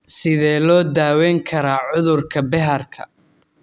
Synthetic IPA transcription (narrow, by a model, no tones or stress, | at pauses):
sɪðɛːlɔːd̪aːwɛːŋkʰɐɾaːʕʊðʊrkʰɐbɛɦɐrkʰɐ̰